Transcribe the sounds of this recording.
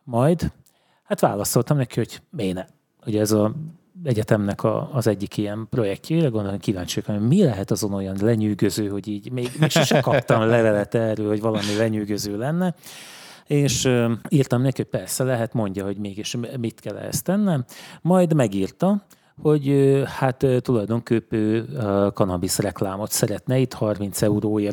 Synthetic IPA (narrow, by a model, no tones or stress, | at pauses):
mɒjd̪ | hat̪ʋa̰ːlɒso̞lt̪ɒmnɛkiho̞ɟ̥meːnɛ | huɟɛɛzɒ | ɛɟɛt̪ɛmnɛkʰɒ̰ːzɛɟːikijɛmpro̞jɛk̚cʰɛirɛɡo̞nd̪okiva̰ːɲt͡ʃijkɒmilɛɦɛt̪ɒzo̞no̞jɒnlɛɲyːɡøzøːɦo̞ɟiːɟmeːɡmeːkʃɛkt͡ʃɛkɒp̚t̪ɒmlɛvɛlɛt̪ɛrølho̞ɟvɒlɒmilɛɲyːɡøzøːlɛnːɛ | eːʃøirt̪ɒmnːɛkiho̞c̚pɛrsɛlɛɦɛt̪mo̞ɲɟɒɦo̞ɟmeːɡiʃmit̪kɛlːɛ̰ɛ̰st̪ɛnːɛmmɒjd̪mɛɡiːrt̪ɒ | ho̞ɟøhat̪ːt̪ːulɒjd̪o̞ŋkøːpøːkɒnɒbisrɛklaːmo̞t̪sɛɾɛt̪nɛit̪hɒrmin̪t̪sɛuɾoːeːr